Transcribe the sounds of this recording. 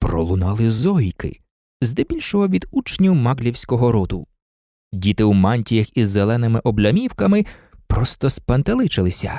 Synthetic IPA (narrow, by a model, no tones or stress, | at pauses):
pɾɔ̰lˠʊnɑlˠɪzɔjkɪ̰ | zd̪ɛbʲilʲʃɔɦɔʋʲid̪ut͡ʃnʲiwmɑɡlʲiwsʲkɔɦɔɾɔd̪ʊ | dʲit̪ɪwmɑnʲtʲijɐxizːelˠɛnɪmɪʔɔblʲɐmʲiwkɐmɪpɾɔst̪ɔspɐnt̪ɐlˠɪt͡ʃɪlˠɪsʲɐ̰